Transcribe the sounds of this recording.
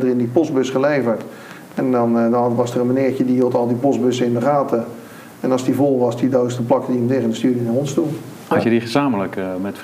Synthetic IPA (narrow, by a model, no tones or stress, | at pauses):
dərɪndipɔsbøsχəlejvəɹt | ɛndɔnʋɑsərənmanɪəɹjədiɦiəlˠtɑlˠdiposbøsəɪndəχaːtə | ɛnɑlsdivolˠʋɑsdidowstəplɑkədiəmtɪɣəndəstyːdiənanɦonstulˠ | ɑtjədiχəzaːmələkmɛt